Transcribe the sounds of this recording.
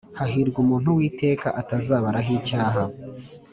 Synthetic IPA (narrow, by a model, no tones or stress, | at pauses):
haɦiɾɡumuːnhuwiːte̞ːkaʔatazaːβaɾaɦiːcaːɦa